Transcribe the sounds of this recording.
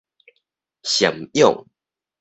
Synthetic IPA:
ɕjə̰˨˩mjo̰˥˨ŋ

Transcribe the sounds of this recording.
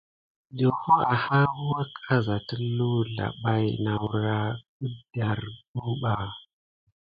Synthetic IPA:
ɗo˨ho˦a˨ha˦hu˦wa˦kʰʼa˦za˨ti˦lu˦ɮa̰˨ɓa˦jna˨wu˨ɾa˦ku˦da˨ɾɡu˦ɓa˨

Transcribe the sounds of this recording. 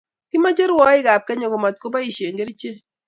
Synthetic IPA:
kɪ˦ma˦d͡ʒe˦ɾwɔ˦ɪ˦ɡa˨p̚kɛ˦ɲo˨ɡo˨ma˨t̪̚ko˦pa˦i˨ʃje˨ŋɡe˦ɾi˦t͡ʃe˦

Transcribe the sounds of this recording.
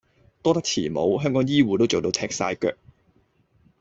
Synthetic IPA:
t̪ɔː˥t̪ɐ˥k̚t͡sʰiː˨˩mo̰˨˧wɦœː˥ŋkɔː˨˥ŋjiː˥wuː˨˩t̪o˥wt͡so˨wt̪o˧wt̪ʰɛː˧k̚sa̰ː˧jkœ̰ː˧k̚

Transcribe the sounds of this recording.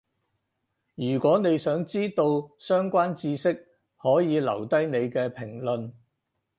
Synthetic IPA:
jyː˨˩kʷɔː˨˥ne˨˧jsœː˨˥ŋt͡siː˥t̪o˧wsœː˥ŋkʷaː˥nt͡siː˧sɪ˥k̚ | hɔː˨˥jiː˨˧lɐ˨˩wt̪ɐ˥jne˨˧jkɛː˧pʰɪ˨˩ŋlɵ˨n

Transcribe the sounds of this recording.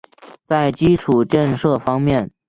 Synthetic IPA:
t͡sa˥˩ɪt͡ɕi˥ʈ͡ʂʰu˨˩ʈ͡ʂə˥˧ŋʂɤ˥˩fɑ˥ŋmjɛ˥˩n

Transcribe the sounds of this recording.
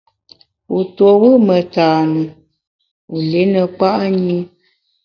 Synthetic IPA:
u˨two˨wə˦mə˨taː˨nu˨ | u˨le˨˦nə˨k͡pa˦ʔɲi˦

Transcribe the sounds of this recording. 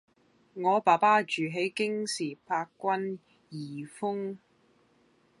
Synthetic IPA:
ŋɔː˨˧paː˨˩paː˥t͡ʃyː˨˩ɦe˨˥jkɪ˥ŋsiː˨˩pʰaː˧kːʷɐ˥n | jiː˨˩fʊ˥ŋ

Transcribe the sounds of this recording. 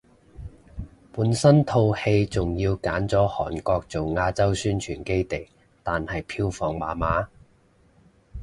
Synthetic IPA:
puː˨˥nsɐ˥nt̪ʰo˧whe˧jt͡sʊ˨ŋji˧wkaː˨˥nt͡sɔː˨˥hɔ̰ː˨˩nkɔː˧k̚t͡so˨wŋaː˧t͡sɐ˥wsyː˥nt͡ʃʰyː˨˩nke˥jt̪e˨˩j | t̪aː˨nhɐ˨jpʰiː˧wfɔː˨˩ŋma̰ː˨˥maː˨˥

